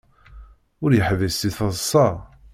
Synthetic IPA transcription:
ʊɾjəħvəst̪iθɑðˤsˤːɑ

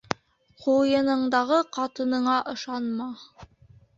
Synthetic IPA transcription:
qʰujɤ̆nɤ̆ɴd̪ɑʁɤqʰɑt̪ɤ̆nɤ̆ɴɑʔɤ̆ʃɑnmɑ

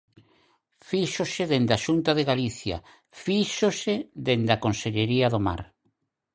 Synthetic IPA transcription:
fiʃosɪðend̪aʃunt̪aðeɣaliθja̰ | fiʃoseðend̪akonseʎeɾiaðoma̰ɾ

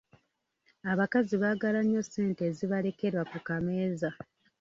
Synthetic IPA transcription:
aβakaziβaːɡalaɲːo̞se̞ːnte̞ziβale̞ke̞ɾwakukame̞ːza

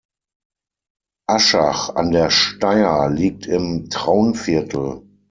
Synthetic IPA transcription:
ʔaʃa̰χa̰ndeːɐʃtaɪɐliːk̚tʰɪmtʁ̥aʊənfɪɐtʰl̩

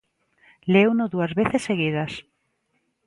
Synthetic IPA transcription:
lewnʊðuɐzβeθesːeɣið̞ɐs

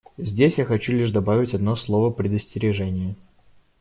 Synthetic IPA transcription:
zʲdʲesʲjaxɐt͡ɕulʲiʂd̪ɐbavʲɪtʲɐd̪no̞slˠo̞vəpɾʲɪd̪əsʲtʲɪɾʲɪʐɛnʲɪjə

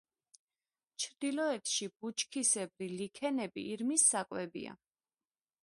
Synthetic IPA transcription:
t͡ʃʰɾd̪̥ilɔɛt̪ʰʃib̥ut͡ʃʰʼkʰisɛbɾilikʰɛnɛbḭʔːɾmisːakʼwɛbḭa̰

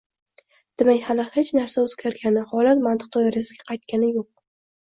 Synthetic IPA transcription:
d̪̥emakʲhalɪhet͡ʃnaɾsaɵz̥ɡʲaɾɡʲanɪhɒlat̪mant̪ɨ̥q̚d̪ɒjaɾjasɪɡʲaqʰɑjt̪̚kʲanɪjoq̚

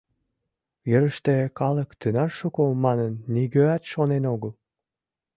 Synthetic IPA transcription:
jəɾəʃt̪ekɑləkt̪ynɑrʃukomɑnənːiɣøɑt̪ʃonenoɣəl

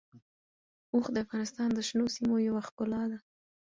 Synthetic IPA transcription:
oxd̪əafɣɑnɪst̪ɑnd̪əʃnosimojawaxkʊlɑd̪a

